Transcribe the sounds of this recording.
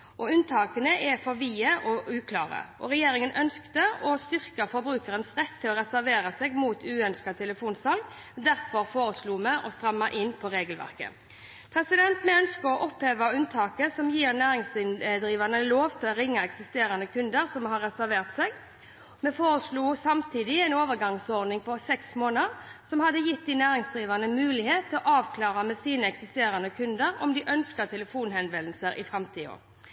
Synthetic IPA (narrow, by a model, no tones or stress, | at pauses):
ʔɔʉnt̪ʰɑːkənəʔɛfɔɾʋiːəʔɔʉːkʰlɑːʁə̰ʔɔʁɛjeːɾɪŋənœnskt̪əɔst̪ʏʁkɑfɔɾbɾʉːkəɾənsʁɛt̪ʰːɪlɔɾɛsæɾʋeːɾɑsɛɡmuːt̪ʰʉːœnskɑt̪ʰɛləfuːnsɑlɡ | d̪æʁfɔɾfoːɾəsluːmɛʔɔst̪ɾʁɑmːɑʔɪnpʰɔɾeːɡəlʋæ̰ʁkə̰ | pʰɾɛsɪd̪ɛnt̪mɛœnskəɾɔʔɔpheːʋɑʉnt̪ʰɑːkəsɔmjiːʁnæːɾɪŋsɪnd̪ɾiːʋɑʁnəloːʋt̪ʰɪlɔɾɪŋːɑɛksɪst̪eːɾɑnəkʰʉnd̪əɾsɔmɦɑɾːɛsæɾʋeːʁt̪sɛɡ | mɛfoːɾəsluːsɑmt̪ʰiːd̪ɪɛɪnoːʋəɾɡɑŋsɔʁd̪nɪŋpɔsɛksmoːnəʁsɔmhɑd̪əjɪt̪̚d̪ɪnæːɾɪŋsd̪ʁiːʋɑʁnəmʉːlɪheːt̪ʰːɪlɔʔɑːʋkʰlɑːʁəmɛsiːnəɛksɪst̪eːɾɑnəkʰʉnd̪əɾɔ̰md̪ɪʔœnskət̪ʰɛləfuːnɦɛnʋɛll̩səɾʔɪ̰fʁɑmt̪ʰiːo̰ːʁ